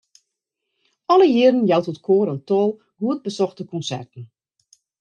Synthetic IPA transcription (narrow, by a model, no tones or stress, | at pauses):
ɔləjɪəɾən̩jawtɔtkʰoːɾəntɔːlˠ | huət̚bəsɔxtəkɔnsɛ̰rtən̩